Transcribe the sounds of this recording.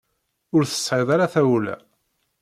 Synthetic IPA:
ʊɾθə̥sˤːħɪðˤaɾaθæwlæ̰

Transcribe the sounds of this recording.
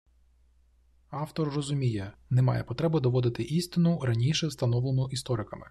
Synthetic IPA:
ɑwt̪ɔrːɔzʊmʲijɛnɛmɑ̰jɛ̰pɔt̪ɾɛbʊd̪ɔʋɔd̪ɪt̪ɪʔist̪ɪnʊɾɐnʲiʃɛst̪ɐn̪ɔʋlˠenʊʔist̪ɔɾɪkɐmɪ̰

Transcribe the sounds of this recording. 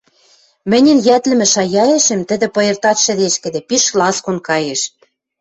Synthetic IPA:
mɘ̆nʲɘ̆njæt̪lɘ̆mɘ̆ʃɑjɑeʃɘ̆mt̪ɘ̆d̪ɘ̆pŏjĕrt̪ɑt̪ʃɘ̆ðeʃkɘ̆d̪ɘ̆piʃklɑskonkɑjeʃ

